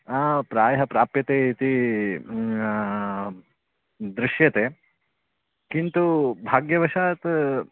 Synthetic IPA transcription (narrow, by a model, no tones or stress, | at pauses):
aːpɾaːjɐɦɐpɾaːpjɐt̪eːit̪i | d̪ɾiʃjɐt̪eː | kint̪ubʱaːɡjɐʋɐʃaːt̪